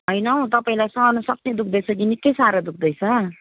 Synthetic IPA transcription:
ɦʌjnʌw̃t̪ʌpaĩlajsʌ̃ːnusʌk̚ned̪ukʰd̪ʌjt͡sʰʌɡinikʌjsaɾʌd̪uk̚ʰd̪ʌjt͡sʰʌ

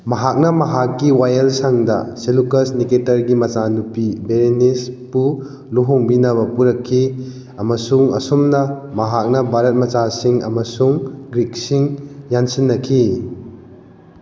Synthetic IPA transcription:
mɐɦak̚nɐmɐɦak̚ɡiwajɐlsaŋdɐ̰selukɐsniketɐɾɡimɐt͡ʃanupibeɾenispu | luɦuŋbinɐβɐpuɾɐkʰːi | ɐmɐsuŋɐ̰sumnɐmɐɦak̚nɐbʱaɾɐt̚mɐt͡ʃasiŋɐ̰mɐsuŋɡɾik̚siŋjansinːɐkʰi

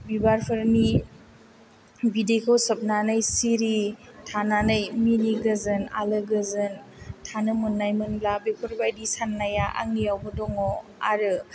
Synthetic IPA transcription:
bibaɾpʰɯɾni | bidekʰowsɐp̚nanɯjsiɾitʰananɯjminiɡɯzɯna̰lɯɡɯzɯn | tʰanɯmɯnːajmɯnblabepʰɯɾbajdisanːajaʔa̰ŋnijawbɯdɔŋɔa̰ɾɯ

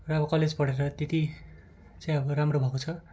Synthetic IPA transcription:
rʌbʌkʌled͡zpʌɽeɾʌt̪et̪i | t͡saj̃ʌbʌramrobʱʌkot͡sʰʌ

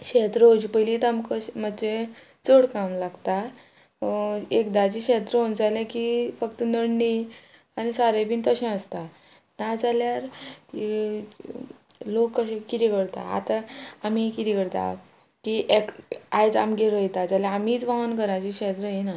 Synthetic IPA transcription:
ɕet̪ɾod͡ʑipəlit̪amkəɕmət͡ɕe | t͡soɽkamlaɡt̪a | ekd̪at͡ɕikɕet̪ɾəond͡zalãkifəkt̪ənəɽɳi | anisaɾebiːnt̪əɕɛ̃əst̪a | nad͡zaljaɾi | lokːəɕẽkit̪ikəɽt̪a̰a̰t̪aːmikit̪ikəɽt̪a̰ | kiʔekajd͡za̰mɡeɾəjt̪ad͡zaljãːmiːt͡sʋaənkəɾat͡ɕikɕet̪ɾəjina

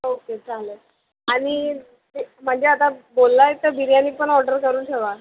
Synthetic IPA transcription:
oket͡saɦle | aɽ̃i | em̤əɳd͡zeat̪abolːaet̪əɾbʱiɾjaniːpəɳɔɖəɾkəɾuːnt̪ʰeʋa

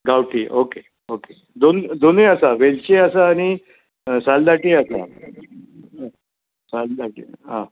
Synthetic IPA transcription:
ɡawʈʰiʔoke | oke | d̪ond̪oneasaʋelt͡ɕeasaːɽ̃i | sald̪aʈiasa̰ | sald̪aʈḭɦã

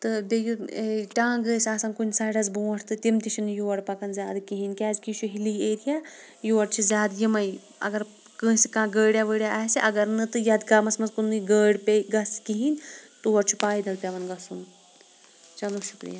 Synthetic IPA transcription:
t̪ɨbeɡiɾʈãːɡəːsʲaːsankunʲsaːɽɐzbuːɐʈʰt̪ɨt̪imt̪it͡ʃʰinɨjuʋɐɽpɐkɐnzʲaːd̪ɨkiɦinʲkʲaːzkiʃʰuɦilieːɾijaː | juʋɐɽt͡ʃʰizʲaːd̪jimɐj | ɐ̰ɡɐɾ | kə̃ːsikãːɡəːɽʲjaːʋəːɽjaʔaːsiʔɐɡɐɾnɨt̪ɨjɐd̪kaːmɐsmɐzkunːɨɡəːɽpeɡɐskiɦiːnʲt̪uʋɐɾt͡ʃʰu̥paːjid̪ɐlpʲaʋɐnɡɐsum | t͡ʃɐlut͡ʃʰup̪ɾḭja

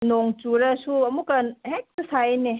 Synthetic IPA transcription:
noŋt͡ʃuɾɐsuɐmukɐnhek̚sɐsajne

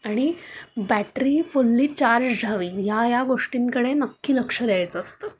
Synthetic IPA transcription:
aɽ̃ibæʈɾiːfulːiːt͡ɕaɾd͡ʑd͡zʱaʋiːjajaɡoʂʈiːŋkəɽenəkːiːləkʂəd̪ajt͡səəst̪ə

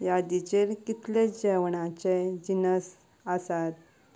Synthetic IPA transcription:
jad̪it͡ɕelkit̪led͡ʑɛʋɳãt͡ɕed͡ʑinəs | asat̪

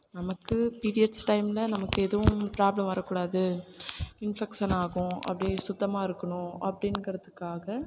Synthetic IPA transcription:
nɐmɐkːɯpiːɾɪjɐɖsʈɐɪmɪlɐnɐmɐkːɯɛðɐʋʊ̃pɾaːblɐmʋɐɾɐkːuːɽaːðɯ | ɪnfɛkʂɐnaːɣʊ̃ɐ̰pːɐɽɪsʊt̪ːɐmaːɪɾɯkːɐɳʊ̃ʔɐpːɐɽɪnɡɪɾɐðɯkːaːɣɐ

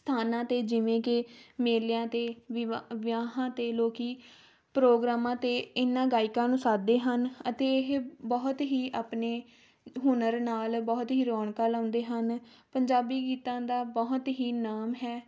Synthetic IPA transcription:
st̪ʰaːnãːt̪eːd͡ʒɪʋẽːkɪmeːljãːt̪eːʋʋɪjaːɦãːt̪eːloːkiː | pɾoːɡɾaːmãːt̪eːɪnːãːɡaːɪkãːnũːsaːd̪eːɦənət̪eːɪɦbɔːt̪ɦiːʔaːpneː | ɦʊnəɾnaːlbɔːt̪ɦiːɾɔːɳkaːlãːnd̪eːɦən | pəɲd͡ʒaːbiːkiːt̪ãːd̪aːbɔɦt̪ɦiːnaːmɦɛː

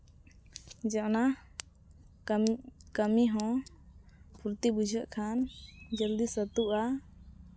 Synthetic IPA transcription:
d͡ʒɛʔna | kəmiɦɔ̃ | pʰuɾt̪ibud͡ʒʱəʔkʰand͡ʒəld̪isət̪uʔa

